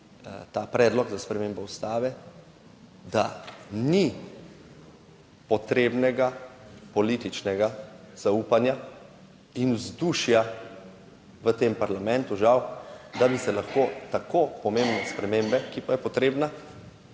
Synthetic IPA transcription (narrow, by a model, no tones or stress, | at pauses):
t̪aːpɾɛːd̪lɔɡzaspɾɛmembɔust̪aːʋɛ | d̪ani | pɔt̪ɾeːbnɛɡapɔlit̪it͡ʃnɛɡa | z̥auːpanja | inwzd̪uːʃja | ʋət̪empaɾlamɛ̃nt̪uʒawd̪abisɛlaxkot̪akopɔmembnɛspɾɛmembɛkipajɛpɔt̪ɾeːbna